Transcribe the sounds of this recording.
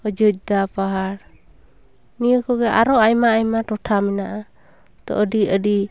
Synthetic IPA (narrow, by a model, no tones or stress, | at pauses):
əd͡ʒəc̚d̪apaɦaɾ | nijɔkɔɡɛʔaɾɔʔajmaːjmaʈɔʈʰamɛnaʔa | t̪ɔ̰ʔəɖiəɖi